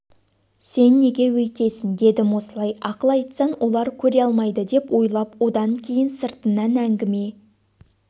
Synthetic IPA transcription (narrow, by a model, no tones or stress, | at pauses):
se̞nːe̞ɡʲe̞wɵjt̪e̞sɪnd̪e̞d̪ɪmwo̞səlˠɑjɑqəlˠɑjt̪sənwʔo̞lˠɑɾkʲʰɵɾeɑlˠmɑjd̪əd̪e̞pwo̞jlˠɑpwo̞d̪ɑŋkʲʰe̞jɪnsəɾt̪ənːɑnæŋɡʲɪme̞